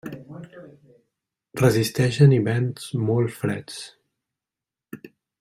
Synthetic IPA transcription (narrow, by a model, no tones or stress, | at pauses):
rəzist̪ɛʃəniβɛnzmɔlˠfɾɛt͡s